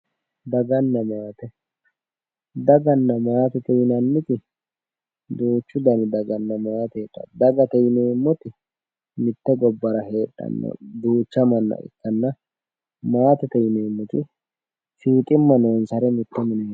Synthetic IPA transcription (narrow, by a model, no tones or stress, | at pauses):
d̪ɐɡɐnːɐmaːt̪ɛ | d̪ɐɡɐnːɐmaːt̪ɛt̪ɛjɪnɐnːɪt̪ɪ | d̪uːt͡ʃːʊd̪ɐnɪd̪ɐɡɐnːɐmaːt̪ɛᶑɐ̰d̪ɐɡɐt̪ɛjɪneːmːɔt̪ɪ | mɪt̪ːɛɡɔbːɐɾɐhe̞ːᶑɐ̰nːɐ̰d̪uːt͡ʃːɐmɐnːɐ̰ʔɪ̰kːɐnːɐ | maːt̪ɛt̪ɛjɪneːmːɔt̪ɪ | fiːt̪ʼɪmːɐnonsɐɾɛmɪt̪ːɛmɪnɛ